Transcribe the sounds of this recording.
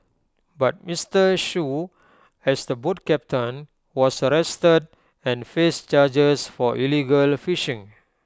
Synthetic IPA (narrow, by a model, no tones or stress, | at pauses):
bat̚mistəʃu | ɛsdəbut̚kɛp̚tʰə̃n | wɔsəɹɛstəd | ɛ̃nfest͡ʃad͡ʒəsfɔʔiliɡəlfiʃĩŋ